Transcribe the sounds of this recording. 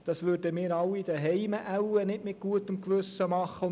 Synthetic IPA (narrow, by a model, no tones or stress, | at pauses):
d̥ɑsʋʏːɾdəmɪːɾɑlːid̥̪əɦɛɪməʔæwənɪtmɪɡ̥uət̪əmkʋʏsəmɑχːəʊ